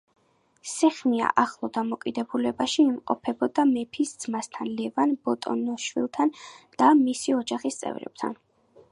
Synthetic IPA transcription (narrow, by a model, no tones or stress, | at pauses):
sɛχmia̰ʔaχlˠɔd̪amɔkʼid̪ɛbulɛbaʃiːmqʼɔ̰pʰɛbɔd̪amɛpʰisd̪zmast̪ʰanlɛvanbɔt̪ʼɔ̰nɔʃwḭlˠt̪ʰand̪̥amisiɔd͡ʒaχist̪sʼɛ̰vɾɛ̰b̥̚t̪ʰa̰n